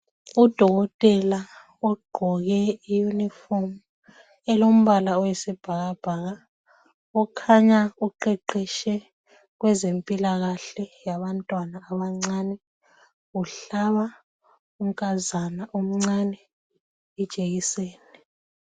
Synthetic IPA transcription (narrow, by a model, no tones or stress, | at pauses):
ud̥ʱɔɣɔtʼɛla | ɔɡ͡ǃʱɔɣɛijunifɔm | ɛlom̩βalaɔwɛsɛb̥ʱaɣab̥ʱaɣa | ɔkʰaɲauǃɛǃiʃɛ | ɣwɛzempʼilaɣaɬɛjaβantʼwanaːβaŋ͡ǀaːnɛ | uɬaβa | um̩kʼazanaʔum̩ŋ͡ǀanɛ | ɛd̥ʒ̥ʼʱeɣiseːnɛ